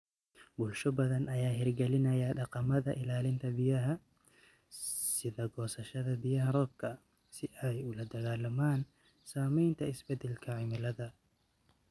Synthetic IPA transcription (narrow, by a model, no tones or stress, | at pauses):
bʊlʃɔbɐðɐnɐjaːɦɪrɡɛlɪnɐjaɖɑqɑmɐðɐʔɪlaːlɪnt̪ʰɐbijɐɦɐ | sɪðɐɡɔːsɐʃɐðɐbijɐɦɐɾɔːb̚kʰɐ | sɪʔɛjʊlɐd̪ɐɣaːlɐmaːn | saːmɛjnt̪ʰɐɪsbɛd̪ɛlkʰɐʕɪmɐlɐðɐ